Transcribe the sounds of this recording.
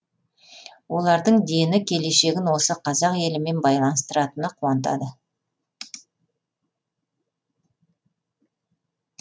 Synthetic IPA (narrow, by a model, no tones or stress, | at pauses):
wo̞lˠɑɾd̪əɴd̪e̞nɪkʲʰe̞le̞ʃe̞ɡʲɪnwo̞səqʰɑzɑqje̞lɪme̞nbɑjlˠɑnəst̪əɾɑt̪ənəqʰuwɑnt̪̬ɑ̰d̪ə